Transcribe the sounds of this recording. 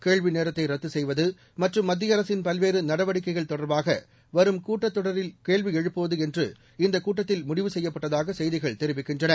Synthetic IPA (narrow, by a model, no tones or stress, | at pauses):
keːɭʋineːɾɐt̪ːɐɪɾɐt̪ːɯsɛjʋɐðɯ | mɐʈrɯmːɐd̪ːɪjɐɾɐsɪnpɐlʋeːɾɯnɐɽɐʋɐɽɪkːɐɪɣɐɭt̪ɔɽɐɾbaːɣɐ | ʋɐɾɯmkuːʈːɐt̪ːɔɽɐɾɪlkeːɭʋiɛɻɯpːɯʋɐðɯɛndrɯ | ɪnd̪ɐkːuːʈːɐt̪ːɪlmʊɽɪʋɯsɛjːɐpːɐʈːɐðaːɣɐsɛjðɪɣɐɭt̪ɛɾɪʋɪkːɪndrɐnɐ